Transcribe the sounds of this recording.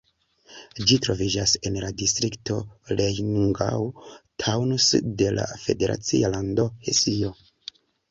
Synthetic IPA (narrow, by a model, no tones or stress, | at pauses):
d͡ʒitɾo̞vid͡ʒase̞nladistɾiktolejnuŋɡa̰wtʰawnusde̞la̰fe̞̰de̞ɾʔa̰t͡sḭalando̞hesio̞